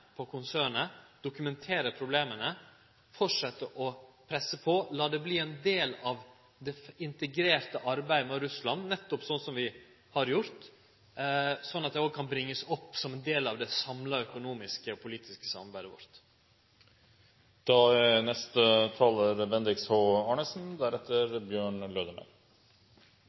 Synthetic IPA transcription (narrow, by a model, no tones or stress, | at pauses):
pʰɔkʰʊnsæːɳəd̪̥ʊkʉmɛnt̪ʰeːɾəpʰɾʊbleːmənə | fɔʈʂɛt̪ːəʔɔpʰɾɛsəpʰɔlɑːd̪ɛbliːɛnd̪eːlɑʋ | d̪ɛɪnt̪əɡɾeːɾt̪əʔɑɾbæɪd̪əmɛɾʉslɑnnɛt̪ːɔpsɔnsɔmʋɪ | hɑɾjʊɾt̪ | sɔnːɑt̪̚d̪ɛoɡkʰɑnbɾɪŋːəsɔpːsɔmɛnd̪eːlɑʋd̪ɛsɑmlɑœkʊnuːmɪskəɔpʰʊliːt̪ʰɪskə̥sɑ̰mɑɾbæɪd̪əʋɔ̰ɾt̪ | d̪̥ɑɛnɛst̪ət̪ʰɑːləɾbɛnd̪ɾɪkshoːɑːɳəsn̩d̪æɾɛt̪ʰːəɾbjøːɳløːd̪əmæ̰ɪ